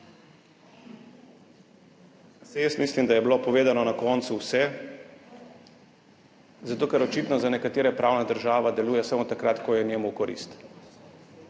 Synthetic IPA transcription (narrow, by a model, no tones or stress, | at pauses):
sɛjəst̪mislimd̪ajɛblopɔʋeːd̪anɔnakɔnt̪suwsɛ | zat̪oːkɛɾɔt͡ʃiːt̪nɔzanɛkat̪eːɾɛpɾawnad̪əɾʒaːʋad̪ɛluːjɛsamot̪akɾat̪kɔjɛnjɛːmukɔɾḭst̪